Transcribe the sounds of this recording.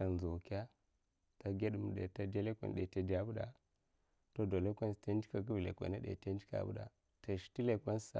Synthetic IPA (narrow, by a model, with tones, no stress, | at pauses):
a˨n˨zu˨wka˦ | ta˨ɡe˦ɗu˨m˨ɗḛ˨ta˦da˦le˦kʷḛ˨ɗe˨ta˨da˦bu˦da˨ | to˦do˨le˦kʷe˦nsta˦n˦d͡ʒi˦ka˨ɡu˦vlḛ˨kʷa̰˨na˦ɗḛ˨ta˦n˦d͡ʒi˦ka̰˨bṵ˦da̰˨ | to˨ʃi̥˨ti˦le˨kʷe˦n˦sa̰˨